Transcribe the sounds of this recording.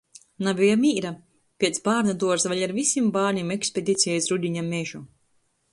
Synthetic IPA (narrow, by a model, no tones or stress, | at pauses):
nabijamiːɾa | pʲiɛt̪sbaːɾnad̪uɔɾsvaʎʲaɾvisimbaːnʲimekspʲed̪ʲit̪sijajsɾud̪ʲiɲameʒu